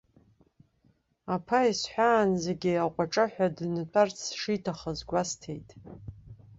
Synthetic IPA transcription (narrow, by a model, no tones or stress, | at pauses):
apʰaisħʷᶣaːnzeɡʲiaqʷʼaʈ͡ʂʼɨħʷᶣadnɨtʷʼart͡sʰʂitʰaχəzɡʷastʰe̞jtʼ